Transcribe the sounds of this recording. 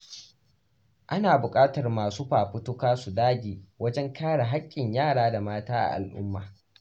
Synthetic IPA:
ʔa˦naː˨bʊ˨kʼaː˦tɐ˨rmaː˨suː˦ɸaː˨ɸʊ˦tʊ˦kaː˦su˨daː˦ɡʲiː˨wɐ˦d͡ʒɛ˦ŋkaː˦ɽa˨ɦa˦kʲʼːɪ˨ɲjaː˦˨ɽaː˦da˨maː˦taː˦ʔa̰˨ʔa̰˨lʔʊ̰˦mːa̰ː˨

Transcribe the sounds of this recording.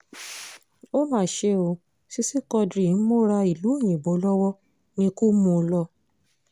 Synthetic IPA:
o˦mãː˦˨ʃe˧˦o˧ | si˦si˦kɔ˧dɾi˨n̩˦mo˦ɾa˧i˨lu˨˦e˦˨j̃ĩ˨bo˨˦lɔ˦wɔ˦ | nĩ˧ko˦mũ˧lɔ˦

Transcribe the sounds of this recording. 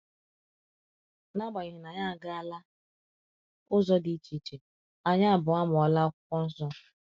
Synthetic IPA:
na˦ɡ͡ba˨ɲi˨ɦi˨na˨ɲa˦a˨ɡa˦a˨la˦ | ʊ˦zɔ˦di˨˦t͡ʃi˨t͡ʃe˨ | a˨ɲa˦a˨bʊ˨a˦m˨ɔ˨la˦ɔ˦kʷʊ˦kʷɔ˦n̩˦sɔ˦

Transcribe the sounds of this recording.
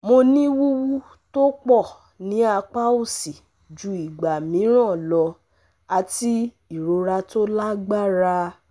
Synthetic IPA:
mo˧nĩ˦wu˦wu˦ | to˦k͡pɔ˦˨ | nĩ˨˦a˧k͡pa˦o˦˨si˨ | d͡ʒu˧i˨ɡ͡ba˨mĩ˨˦ɾ̃ã˦˨lɔ˧ | a˧ti˦ | i˨ɾo˧ɾa˧to˦la˦ɡ͡ba˦ɾa˧

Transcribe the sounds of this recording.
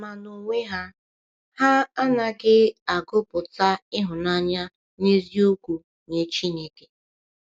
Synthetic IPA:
ma˨no˨ŋʷe˦ɦa˦ | ha˦a˦na˨ɡɪ˦a˨ɡʊ˦pʊ˨ta˦ɪ˦ɦʊ˨na˦ɲa˦ | ne˦zi˦u˦kʷu˨ | ɲe˨t͡ʃi˦ne˨ke˨

